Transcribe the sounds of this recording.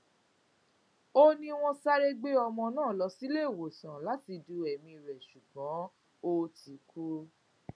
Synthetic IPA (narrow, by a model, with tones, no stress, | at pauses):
o˦nĩ˧w̃ɔ̃˧sa˦ɾe˦ɡ͡be˦ɔ˧mɔ̃˧nãː˦˨lɔ˨˧˦si˦le˦˨wo˨sã˨la˨˦ti˧du˧ɛ˨mĩ˧i˨ɾɛ˨ʃu˨ɡɔ̃˨˦ | o˧ti˨˦kʰu˦